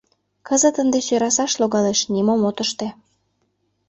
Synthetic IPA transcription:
kəzət̪ənd̪esøɾɑs̬ɑʃloɣɑleʃnʲimomot̪əʃt̪ĕ

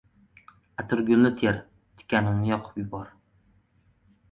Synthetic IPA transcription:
at̪ʰʊɾɡʲʊnlɪt̪ʰeɾ | t̪ʰɪ̥kʲʰanɪnɪjɒqʰʊ̥pjʊbɒɾ

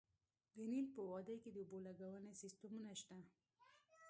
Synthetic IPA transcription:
ɡənilpəwɑd̪əjked̪əubolaɡawənesist̪əmunaʃt̪a

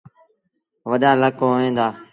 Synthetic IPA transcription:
ʋəɗaːləkooẽːnd̪aː

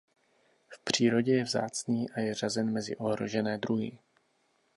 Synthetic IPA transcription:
fpr̝̥iːɾo̞ɟɛjɛvza̰ːt͡sniːʔajɛr̝azɛnmɛzɪ̰ʔo̞ɦɾo̞̰ʒɛnɛːd̪ɾuɦɪ̰

